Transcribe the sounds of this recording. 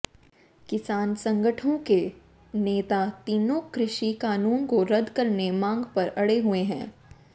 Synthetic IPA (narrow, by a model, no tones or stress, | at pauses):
kɪsaːnsɐ̃ŋɡʱəʈʰõke | neːt̪at̪iːnõkɾɪʃikaːnuːnkoɾɐd̪ʱkɐɾnemãːŋɡpɐɾɐɽeɦueɦɛ̰̃ː